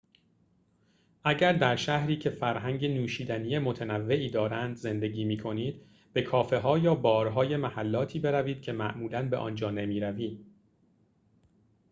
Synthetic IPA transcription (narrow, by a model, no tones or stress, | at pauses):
ʔæɟæɾd̪æɾʃæhɾiːcʰe̞fæɾɦæŋɟenuːʃiːd̪ænijemo̞t̪ʰenævːe̞ʔiːd̪ɒːɾænd̪ze̞nd̪e̞ɟiːmiːkʰo̞niːd̪̥ | be̞kʰɒːfe̞ɦɒːjɒːbɒːɾɦɒːje̞mæhælːɒːt̪ʰiːbe̞ɾæviːd̪̥̚cʰe̞mæ̰ʔmuːlænbeʔɒ̰ːnd͡ʒɒːnemiːɾæviːd̪